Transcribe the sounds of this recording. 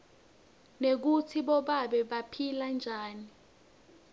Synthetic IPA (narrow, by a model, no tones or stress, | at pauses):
nek̬utʰiɓɔɓaɓɛɓapʰiland͡ʒʱaːni